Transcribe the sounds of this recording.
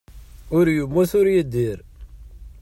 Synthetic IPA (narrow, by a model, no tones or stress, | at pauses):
ʊɾjumːuθʊɾjəd̪ːiɾ